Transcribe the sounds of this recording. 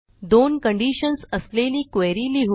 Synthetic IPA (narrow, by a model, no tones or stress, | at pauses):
d̪onkəɳɖiɕənsəsleliːkʋjɾiliɦu